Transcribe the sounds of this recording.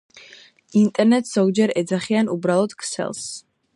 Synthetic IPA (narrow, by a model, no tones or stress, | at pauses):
int̪ʼɛɾnɛt̪sz̥ɔɡd͡ʒɛɾɛd̪zaχianubɾalˠɔd̪̥kʰsɛ̰lˠs